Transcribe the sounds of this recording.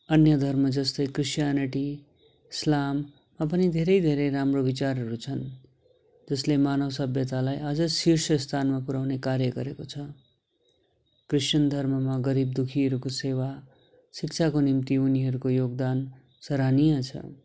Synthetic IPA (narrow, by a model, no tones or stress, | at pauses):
ʌnjʌd̪ʱʌrmʌd͡zʌst̪ʌjkrisjaniʈi | slamː | apʌnid̪ʱeɾʌjd̪ʱeɾʌjɾamrobit͡sarɦʌɾut͡sʰʌn | d͡zʌslemanʌwsʌbjʌt̪alajʔʌd͡zʌsirsʌst̪ʰanmapuɾawnekaɾjʌɡʌɾekot͡sʰʌ | krisʌnd̪ʱʌrmʌmaɡʌɾib̚d̪ukʰiɦʌɾukosewa | sik̚t͡sʰakonimt̪iuniɦʌɾukojoɡ̚d̪an | sʌɾanijʌt͡sʰʌ̰